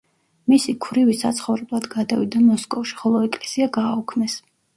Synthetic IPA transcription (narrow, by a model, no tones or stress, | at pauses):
misikʰvɾivisa̰t̪sʰχɔvɾɛblˠad̪ɡad̪avid̪amɔskʼɔfʃi̥χɔlˠɔɛkʼlɛsiaɡaːukʰmɛs